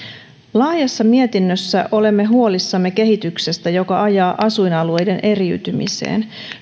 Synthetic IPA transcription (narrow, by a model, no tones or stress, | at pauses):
lɑːjɑsːɑmie̞t̪inːøsːæʔo̞le̞mːe̞ɦuolisːɑmːe̞ke̞ɦit̪ykse̞st̪æjo̞kɑʔɑjɑːʔɑsujnɑlue̞jde̞nʔe̞riyt̪ymḭsḛːn